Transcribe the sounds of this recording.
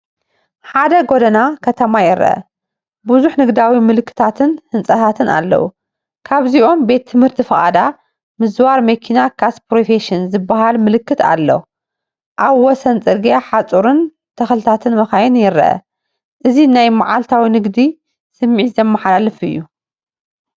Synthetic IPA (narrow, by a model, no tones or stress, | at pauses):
ħad̪ɐɡod̪ɐnakʰɐt̪ʰɐmajɪɾːɐ̰ʔɐ̰ | buzuħnɨɡd̪awimɨlɨkʰːɨ̥t̪ʰat̪ʰɨnhɨnt͡sʼɐt̪ʰat̪ʰɨna̰lːɐ̰wṵ | kʰaβziʔo̞mbe̞t̪ʰːɨmhɨɾt̪ʰifɐʔʼa̰d̪a | mɨzwaɾmɐkʰinakʰaspɾofeʃinzɨbːaɦalmɨlɨkːɨt̪ʰa̰lːɐ̰ | ʔaβwɔsɐnt͡sʼɨɾɡiaħat͡sʼuɾɨn | t̪ʰɐxlɨt̪ʰat̪ʰɨnmɐxajɪnjɪɾɐ̰ʔɐ̰ | ʔɨzinajmaʕalt̪ʰawinɨɡd̪i | sɨmːiʕt̪zɐmːɐħalalɨfɨ̰jːu